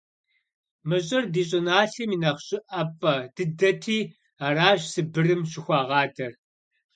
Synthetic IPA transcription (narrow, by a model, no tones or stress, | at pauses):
mɨɕ̬ʼɪrdiːɕ̬ʼɪnaːɬimiːnɐχɕʼɪʔɐpʼːɐd̥ɨdɐtʰiː | aːɾaːʑsɨbɨrɨmɕɪxʷɑːʁɑːtʰɐr